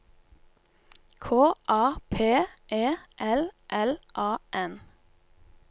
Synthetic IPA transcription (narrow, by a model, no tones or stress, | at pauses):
kʰoːʔɑːpʰeːʔeːʔɛlʔɛlʔɑːʔɛn